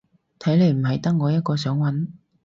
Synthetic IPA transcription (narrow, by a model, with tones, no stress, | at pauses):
t̪ʰɐ˨˥jle˨˧jm̩˨˩ɦɐ˨jt̪ɐ˥ŋ̚ŋɔː˨˧jɐ˥t̚kɔː˧sœː˨˥ŋwɐ˨˥n